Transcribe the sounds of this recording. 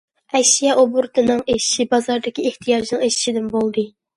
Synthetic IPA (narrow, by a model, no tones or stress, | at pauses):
ɛjʃijɛʔobuɾt̪ʰɨnɨŋeʃi̥ʃibɑzɑɾd̪ɪkʲieht̪ʰijɑʒinɨŋeʃi̥ʃid̪ɪnbolˠd̪ɨ